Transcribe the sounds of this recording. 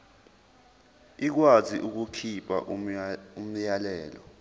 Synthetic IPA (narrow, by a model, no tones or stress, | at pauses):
ik̬waziʔuk̬ukʰipʰʼa̰ | um̩jalɛːlɔ̰